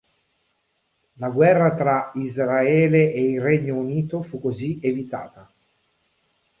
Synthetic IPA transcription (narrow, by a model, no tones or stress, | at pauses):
laɡwɛrːat̪ɾaizɾaɛːleʔeilrɛɲːouniːt̪ofukːozievit̪a̰ːt̪a